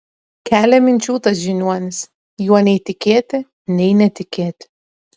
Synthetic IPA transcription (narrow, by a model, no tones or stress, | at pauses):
kʲʰæːlʲɛmɪnʲt͡ʃuːt̪ɐsʒinʲuɐnʲɪs | juɔnʲɛjt̪ʲɪkʲeːt̪ɪ | nʲɛjnɛt̪ʲɪkʲeːt̪ʲɪ̥